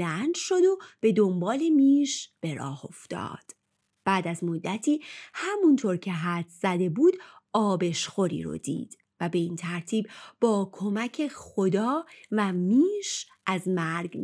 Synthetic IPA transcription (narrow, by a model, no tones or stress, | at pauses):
ænd̪ʃo̞d̪o̞b̥e̞d̪o̞mbɒːlemiːʃb̥e̞ɾɒ̰ːho̞fd̪̥ɒ̰ːd̪̥ | b̥æːd̪æzmo̞d̪ːæt̪ʰiːhæmunt̪ʰoɾcʰe̞ɦæt̪ʰz̥æd̪e̞buːd̪ɒːbe̞ʃxo̞ɾḭːɾo̰d̪ḭːd̪̥ | væbe̞iːnt̪ʰæɾt̪ʰiːb̚bɒːkʰo̞mæcʰe̞χo̞d̪ɒːvæmiːʃ | ʔæzmæɾɡ